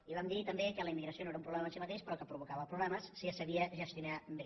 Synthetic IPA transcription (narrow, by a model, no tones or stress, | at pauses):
iβamd̪it̪əmbekələimːiɣɾəsionoeɾəũmpɾuβlɛmənsimət̪eʃpəɾɔkəpɾuβukaβəpɾuβlɛməsːiəsəβiəʒəst̪junambe